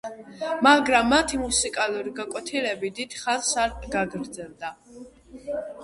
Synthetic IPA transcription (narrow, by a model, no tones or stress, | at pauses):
maɡɾamːat̪ʰimusikʼalˠuɾiɡakʼwɛt̪ʰilɛbid̪it̪ʰχansaɾɡaɡɾd̪zɛlˠd̪a